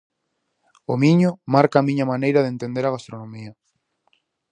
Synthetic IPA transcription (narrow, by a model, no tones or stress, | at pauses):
omiɲʊmaɾkaːmiɲɐmanejɾɐðent̪ẽnd̪eɾaɣast̪ɾonõmiɐ